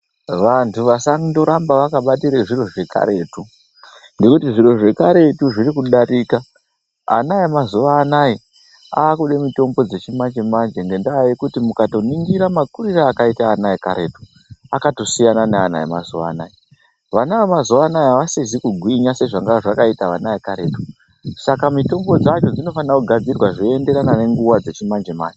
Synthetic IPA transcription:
ʋantʰuʋasaŋindo̞ɾambaʋakaɓatiɾeʐiro̞ʐe̞ka̰ɾe̞ːtu | ŋɡe̞kutiʐiɾo̞ʐe̞kaɾe̞tuʐiɾikuɗaɾiːka̰ː | najemazuʋaːnaji | aːkuɗe̞mito̞mbo̞d͡ze̞t͡ʃimat͡ʃemand͡ʒeŋɡe̞ndaːikutimukato̞niŋɡiɾamakuɾiraːkaitaːnaika̰ɾe̞tu̥ | akato̞sijananeana̰ḛma̰zuʋa̰ːna̰i | ʋanawemazuʋanaiaʋasizikuɡʱwiɲase̞ʐaŋɡaʐakaitaʋanaekaɾe̞ːto̥ | sakamito̞mbo̞d͡zat͡ʃo̞d͡zino̞fanakuɡʱad͡zirwaʐoende̞ɾanane̞ŋɡuwad͡ze̞t͡ʃimand͡ʒema̰ːnd͡ʒe

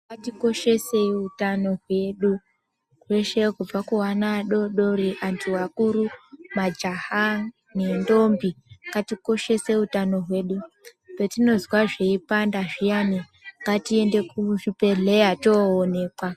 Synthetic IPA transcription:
katiko̞ʃe̞seutano̞ɦwe̞ɗu | kweʃekub͡vakuwanaɗo̞ɗo̞ɾiʔantʰuwakuɾumad͡ʒaha | ne̞ndo̞mbikatiko̞ʃe̞se̞utano̞ɦwe̞ːɗu | petino̞zwaʐeipandaʐijani | ŋɡatie̞nde̞kuʐipe̞ɮejatoːne̞ːkwa

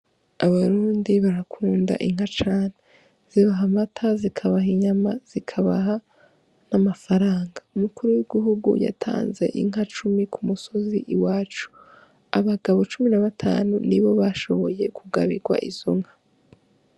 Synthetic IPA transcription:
aβaɾuːndiβaɾakʰuːnda̰ʔiŋ̥hat͡ʃaːne | z̥iβaɦamatʰazikʰaβaɦiɲamaz̥ikʰaβa̰ɦa | namafaɾaːŋɡaumukuɾuwiɡiɦuɡṵja̰tʰa̰ːnze̞̰ʔḭŋ̥ɦat͡ʃumikʰumuso̞ziʔiwaːt͡ʃu̥ | aβaɡaβo̞t͡ʃuminaβatʰa̰ːnṵniβo̞βaʃo̞βo̞je̞kʰuɡa̰βiɡwa̰ʔḭzo̰ŋ̥hḁ

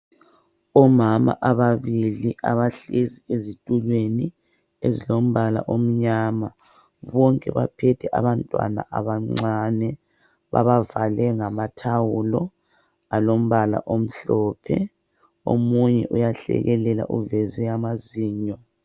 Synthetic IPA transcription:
ɔmama̰ʔaβaβiliʔaβaɬeziezitʼulweni | ezilom̩βala̰ʔom̩ɲaːma | βɔŋkʼɛ̰βa̰pʰɛtʰɛʔaβantʼwa̰na̰ʔaβaŋ͡ǀaːnɛ | βa̰βavalɛŋamatʰawulɔ | alom̩βala̰ʔom̩ɬɔpʰɛ̰ | o̰muɲɛʔujaɬɛ̰ɣɛlɛla̰ʔuvɛzɛamaziːɲɔ

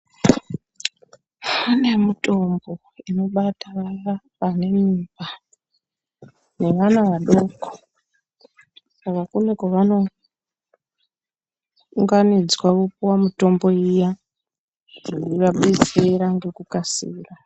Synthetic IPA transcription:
une̞muto̞mbo̞ | ino̞ɓataara | pane̞miba | ne̞ʋanaʋaɗo̞ko̥ | sakakunekoʋano̞ | uŋɡanid͡zwakupuwamuto̞mbo̞ija | ʐiiʋaɓed͡zeɾaŋɡe̞kukasiːra

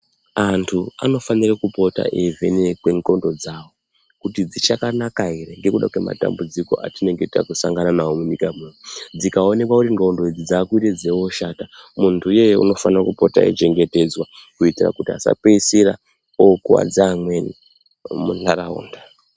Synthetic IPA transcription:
antʰua̰no̞fanirakupo̞ta̰ʔevʱenekweŋko̞ndod͡zaːwo̞ | kutid͡zit͡ʃakanakaiɾeŋɡe̞kuɗa̰kwe̞ma̰ta̰mbud͡ziko̞̰ʔa̰tine̞ŋɡetakusaŋɡananawomuɲikamunud͡zikao̞ne̞kwakutiŋɡaundoid͡zid͡zaːkuited͡zewo̞ʃatamuntʰuje̞jṵno̞fanirakupo̞ta̰ḛt͡ʃe̞ŋɡe̞te̞d͡zwakuitira̰kutia̰sa̰pesiɾa̰ | okua̰d͡zaːmweni | munaɾaṵːnda

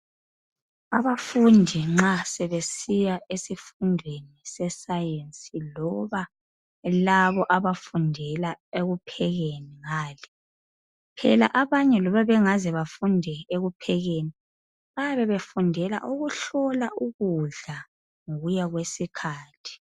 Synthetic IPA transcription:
aβafundʱiŋ͡ǁasɛβesijaʔesifundʱwenisɛsajensʼilɔβa | laβɔʔaβafundʱɛlaeɣupʰɛɣeniŋaːlɛ | pʰɛla̰ʔaβaɲɛlɔβaβɛŋazɛβafundʱɛeɣupʰɛɣeni | βajaβɛβefundʱɛla̰ʔuɣuɬɔlaʔuɣuɮa | ŋoɣujaɣwesikʰaːtʰi̥

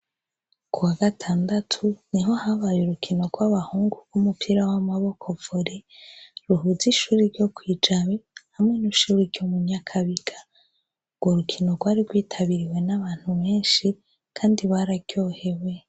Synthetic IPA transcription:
kuwaɡatʰaːndatʰuniɦo̞haβajuɾukʰino̞ɡwaβahuːŋɡubɡ̥umupʰiɾawamaβo̞kʰo̞voɾiɾuɦuziʃuːɾiɾɟo̞kwiːd͡ʒaβehamŋe̞niʃuːɾiɾɟomuɲakʰaβiɡḁ | ɡwoɾukʰino̞ɡwaːɾiɾɡwiːtʰaβiɾiwe̞naβaːn̥huβe̞ːnʃi | kʰaːndiβaɾaɡɟjo̞ːhe̞we̞

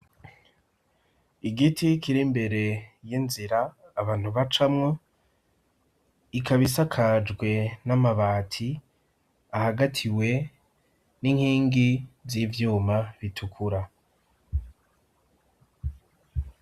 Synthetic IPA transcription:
iɡitʰikiɾimbe̞ɾe̞jinziɾaːβaːn̥huβat͡ʃamŋo | ikaβisakʰad͡ʒɡwe̞namaβaːtʰi | ahaɡatʰiwe̞ | niŋhiːŋɡizivjuːmaβitʰukʰuɾa

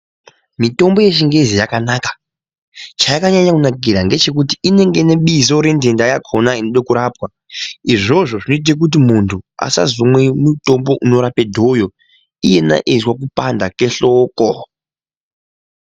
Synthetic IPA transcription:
mito̞mbo̞je̞t͡ʃiŋɡe̞zijakanakḁ | t͡ʃaikaɲaɲakunakiɾaŋɡe̞t͡ʃe̞k̬utiine̞ŋɡe̞ne̞ɓizo̞ɾe̞nde̞ndajakʰo̞nainoɗakuɾaːpwa | iʐo̞ʐo̞ʐino̞it̬ak̬ut̬imuntʰua̰sa̰zomwemuto̞mbo̞ʔuno̞ɾape̞dʱo̞jo̞ | ije̞na̰ʔezwak̬upandake̞ɬoːko

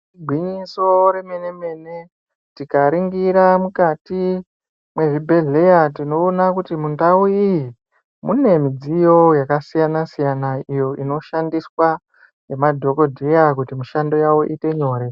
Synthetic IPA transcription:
iɡʱwiɲiso̞ɾe̞me̞ne̞me̞ne̞ | tikaɾiŋɡiɾamukati | mwe̞ʐibʱe̞ɮe̞jatino̞ːnakutimundauiji | mune̞mid͡zijo̞jakasijanasijanaijo̞ino̞ʃandiswa | je̞madʱo̞ko̞dʱe̞jakutimuʃando̞jawo̞ʔite̞ɲo̞ːɾe̞

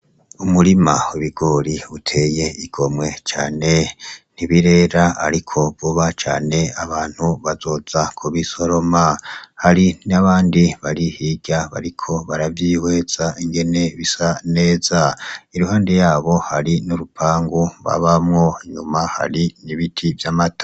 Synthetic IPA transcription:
umuɾimauβiɡ̥o̞ɾiutʰe̞je̞iɡ̥o̞mwe̞t͡ʃaːne̞niβiɾe̞ːɾaa̰ɾikʰo̞βuβat͡ʃa̰ːne̞aβaːn̥huβazo̞ːzakʰuβiso̞ɾo̞mahaɾinaβaːndiβaɾihiɟaβa̰ɾikʰo̞βaɾavjiːwe̞ːz̥aʔiŋɡe̞ne̞βisaneːz̥aiɾuhaːndejaːβo̞haɾinuɾupʰaːŋɡuβa̰βamŋo̞ɲumaha̰ɾiniβitʰivjamatḁ

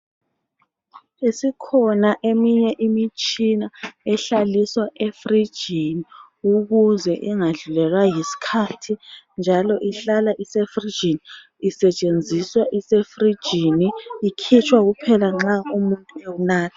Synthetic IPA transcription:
isikʰɔnaʔemiɲɛʔimit͡ʃʼinaɛɬaliswaʔefri̥ʒ̥ʱini | uɣuzɛʔiŋaɮulɛlwajisi̥kʰaːtʰind͡ʒʱalɔʔiɬalaʔisefri̥d͡ʒ̥ʱiniː | sɛt͡ʃʼend͡zʱiswaʔisefri̥ʒ̥ʱiniːkʰit͡ʃʰʼwaɣupʰɛlaŋ͡ǁaumuntʼuewunaːtʰḁ

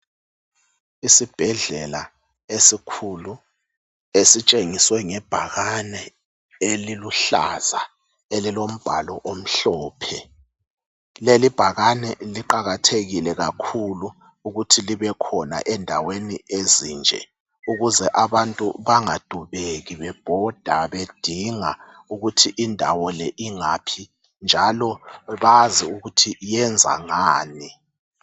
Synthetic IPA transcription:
isib̥ʱɛɮɛla | esikʰulu | esit͡ʃʼeŋiswɛŋɛb̥ʱaɣanɛ | eliluɬa̰za | elilom̩b̥ʱa̰lɔʔom̩ɬɔːpʰɛ | lelib̥ʱaɣanɛliǃaɣatʰeɣilɛɣakʰuluː | ɣutʰiliβɛkʰɔna̰ʔɛndʱawenieziːnd͡ʒʱɛ̰ | uɣuzɛʔaβantʼṵβaŋad̥ʱuβeɣiβɛb̥ʱɔd̥ʱaβed̥ʱiŋa̰ | uɣutʰiʔindʱa̰wɔlɛʔiŋapʰi | nd͡ʒʱalɔβaziuɣutʰiʔjɛnd͡zʱa̰ŋaːni

